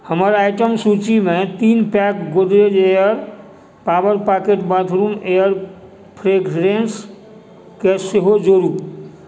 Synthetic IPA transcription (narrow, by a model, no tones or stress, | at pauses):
həməɾaɪʈəmsut͡ʃimẽt̪iːnpɛkɡod̪ɾed͡ʒejəɾ | paːʋəɾpakeʈbãd̪ʱɾuːmejəɾ | pʰɾeɡɾens | keseɦod͡ʒoɾu